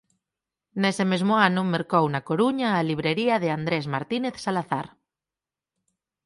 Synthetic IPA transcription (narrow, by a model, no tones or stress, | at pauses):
nesemezmoanʊmeɾkownakoɾuɲaːliβ̞ɾeɾiaðeand̪ɾezmaɾt̪ineθsalaθa̰ɾ